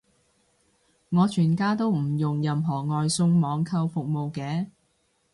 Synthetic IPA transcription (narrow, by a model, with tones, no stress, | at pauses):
ŋɔː˨˧t͡ʃʰyː˨˩nkaː˥t̪o˥wm̩˨˩jʊ˨ŋjɐ˨mɦɔː˨˩ŋɔː˨˧jsʊ˧ŋmɔː˨˧ŋkʰɐ˧wfʊ˨k̚mo˨wkɛː˨˧˦